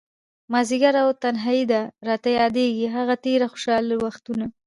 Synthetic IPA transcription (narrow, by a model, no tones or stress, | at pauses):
mɑziɡaɾawt̪anɦaid̪aɾɑt̪ajɑd̪eɡiɦaɣat̪eɾaxʊ̥ʃɑliwaxt̪una